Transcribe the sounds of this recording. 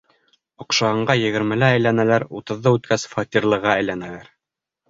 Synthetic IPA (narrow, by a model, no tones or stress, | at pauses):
ŏqʃɑɤ̆ɴɢɑjɘ̆ɣɘ̆ɾmɘ̆lɘæjlænælæɾut̪ɤ̆ðːɤʉt̪kʰæsfɑt̪ʲirlˠɤ̆ʁɑæjlænælæɾ